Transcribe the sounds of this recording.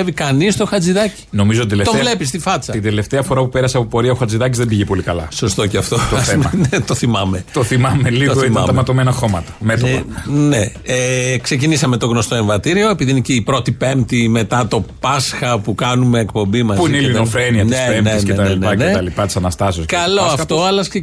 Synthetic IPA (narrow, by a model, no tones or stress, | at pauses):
evikɐnist̪o̞xɐd͡ziðɐci̥no̞mizot̪id̪elet̪ovle̞pis̬t̪ifɐt͡sɐt̪ind̪eleft̪eɐfo̞ɾɐpupeɾɐseɐpopo̞ɾiɐoxɐd͡ziðɐcizðembiʝepo̞likɐlɐ̰so̞st̪o̞ceɐft̪osmɐnet̪o̞θimɐme̞t̪oθimɐmelit̪oɣoimɐmɐmɐt̪omenɐxomɐt̪ɐ̥met̪oɐneekse̞cinisɐme̞t̪o̞ɣno̞st̪o̞eɱvɐt̪iɾio̞e̞piðineceipɾo̞t̪ipe̞mt̪ime̞t̪ɐt̪o̞pɐsxɐpukɐnume̞ːkpo̞mbimɐzpiineilinofɾeniɐnt̪sepemesnet̪ɐleneɐneɐlipɐt̪i̥sɐnɐst̪ɐsioskɐlo̞ɐft̪o̞ɐlɐsk